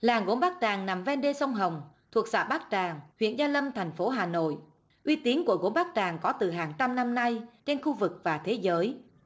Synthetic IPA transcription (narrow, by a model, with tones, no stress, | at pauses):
laː˨˩ŋɣo˨˦nɓaː˦˥k̚t͡ɕaː˨˩ŋna˨˩mvɛ˧nɗe˧sə˧wŋ͡mɦə˨˩wŋ͡mt̪ʰu˨˩ək̚sa̰ː˧˩ɓaː˦˥k̚t͡ɕaː˨˩ŋhwḭ˧˨ənzaː˧lə˧mt̪ʰa˨˩jŋ̟fo˨˦ɦaː˨˩no̰˧˨jʔ | ʔwi˧t̪i˨˦ənku˧˩əɣo˨˦nɓaː˦˥k̚t͡ɕaː˨˩ŋkɔ˨˦t̪ɨ˨˩ɦaː˨˩ŋt͡ɕa˧mna˧mna˧jt͡ɕe˧nxu˧vɨ˨˩k̚vaː˨˩t̪ʰe˨˦zəː˨˦j